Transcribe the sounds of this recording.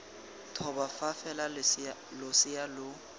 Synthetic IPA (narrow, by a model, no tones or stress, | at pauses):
tʰɔbafafɛlalʊsɪjalʊ